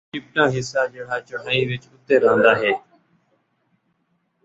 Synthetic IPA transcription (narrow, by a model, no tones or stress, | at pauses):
ɪp̚naːɦɪsːaːd͡ʒeːɽaːt͡ʃʊɦaːĩːʋɪt͡ʃʊt̪eːɾãːnd̪aːɦeː